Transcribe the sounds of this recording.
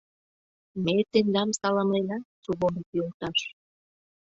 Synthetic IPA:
met̪end̪ɑmsɑlɑmlenɑt͡suβonikjolt̪ɑʃ

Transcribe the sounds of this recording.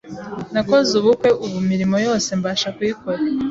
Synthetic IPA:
nako̞zuβukwe̞ʔuβumiɾimo̞jo̞ːse̞mbaːʃakwikoɾa

